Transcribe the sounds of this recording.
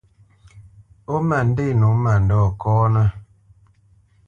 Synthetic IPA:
o˦ma˨n̩˦de˦˨nu˨˦ma˨n˨dɔ˦˨kɔː˦nə˦

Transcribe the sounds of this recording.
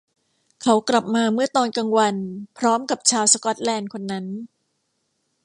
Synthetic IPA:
kʰa˦˥wkla˨˩p̚maː˧mɯ˥˩ɐt̪ɔː˧nka˧ŋwa˧npʰɾɔː˦˥mka˨˩p̚t͡ɕʰaː˧wsa˧kɔ˦˥t̪̚lɛː˧nkʰo˧nːa˦˥n

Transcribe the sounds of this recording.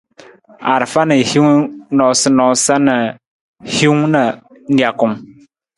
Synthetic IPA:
a̰˨ɾfa˦nə˨hi˦ŋnɔ˨sə˦nɔ˨sa˦nə˨ | hi˦ŋnə˨ | n̩˦di˨a˨kʊ˨m

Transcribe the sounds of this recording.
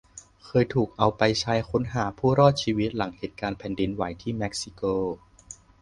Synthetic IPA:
kʰɤː˧jt̪ʰuː˨˩k̚ʔa˧wpa˧jt͡ɕʰa˦˥jkʰo˦˥nɦaː˩˦pʰuː˥˩ɾɔː˥˩t̪̚t͡ɕʰiː˧wi˦˥t̪̚la˩˦ŋheː˨˩t̪̚kaː˧npʰɛː˧ndi˧nwa˨˩˦jt̪ʰiː˥˩mɛ˦˥k̚si˧koː˥˩

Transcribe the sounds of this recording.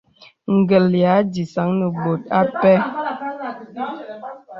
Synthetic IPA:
ŋ̩˨ɡə˨lja˨˦di˨sa˨˦ŋnə˨bo˨t̚a˦pɛ˦

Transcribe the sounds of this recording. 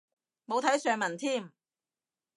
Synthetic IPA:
mo˨˧wt̪ʰɐ˨˥jsœː˨˧ŋmɐ˨˩nt̪ʰiː˥˩m

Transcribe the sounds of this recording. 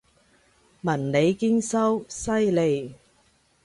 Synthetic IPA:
mɐ˨˩nle˨˧jki˥nsɐ˥wsɐ˥jle˨˧j

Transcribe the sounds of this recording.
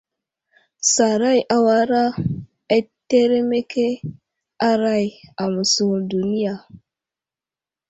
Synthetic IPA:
sa˨ɾa˦jʔa˨wa˦ɾa˦ | e˦tːe˦ɾe˦me˦ke˦ | a˦ɾa˦ja˨mu˨su˦˨ɾdu˨ni˦ja˨

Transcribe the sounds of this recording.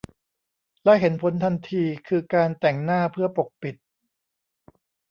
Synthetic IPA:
lɛ˦˥ʔɦe˩˦npʰo˩˦nt̪ʰa˧nt̪ʰiː˧kʰɯː˧kaː˧nt̪ɛ˨˩ŋnaː˥˩pʰɯ˥˩ɐpo˨˩k̚pi˨˩t̪̚

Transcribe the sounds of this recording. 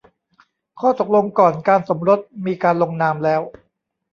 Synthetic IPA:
kʰɔː˥˩t̪o˨˩k̚lo˧ŋkɔː˨˩nkaː˧nso˩˦mɾo˦˥t̪̚miː˧kaː˧nlo˧ŋnaː˧mlɛː˦˥w

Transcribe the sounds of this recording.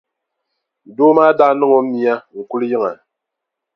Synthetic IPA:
doː˦maː˦da˦nɨ˦ŋo˨˦mi˨a˦ŋ̩˨ku˦lji˦ŋa˨

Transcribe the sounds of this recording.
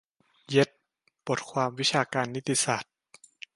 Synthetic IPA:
je˦˥t̪̚ | bo˨˩t̪̚kʰwaː˧mwi˦˥t͡ɕʰaː˧kaː˧nːi˦˥t̪ːi˧sa˨˩t̪̚

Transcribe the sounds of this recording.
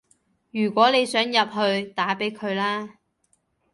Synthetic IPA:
jyː˨˩kʷwʷɔː˨˥ne˨˧jsœː˨˥ŋjɐ˨p̚ɦɵ˧ɥt̪aː˨˥pe˨˥jkʰɵ˨˧ɥlaː˥

